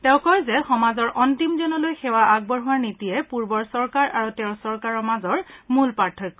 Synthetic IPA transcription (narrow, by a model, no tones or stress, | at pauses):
tɛʊ̃kɔjzɛxɔmazɔɹʔɔntimzɔnɔlojxɛwaʔaɡ̚bɔɹɦʊwaɹnitiɛpuɹbɔɹsɔɹkaɹʔaɹutɛʊ̃sɔɹkaɹɔmazɔɹmulpaɹtʰːɔk